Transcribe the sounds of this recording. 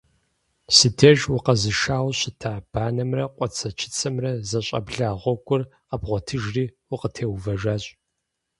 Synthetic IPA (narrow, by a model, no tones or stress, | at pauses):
sɨdʰɐʒwʊqɐzɨʃaːwɕɪtʰaːb̥aːnɐmrɐqʷʼɔt͡sʰɐt͡ʃʰɪ̥t͡sʰɐmrɐzɐɕʼɐ̰bɮaːʁʷɔɡʷʼʊr | abʁʷɔtʰɨʒriːwʊqətʰeːwvɐʒaːɕʼ